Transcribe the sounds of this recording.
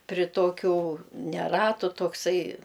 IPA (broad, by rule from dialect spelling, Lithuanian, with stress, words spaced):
pʲrʲɪ ˈtoːkʲʊ nʲɛ ˈrɑːtʊ toːkˈsɐɪ